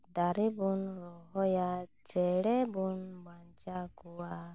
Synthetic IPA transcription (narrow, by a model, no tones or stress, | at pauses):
d̪aɾibunɾɔɦɔjat͡ʃɛɽɛbunbaɲt͡ʃaɡuwa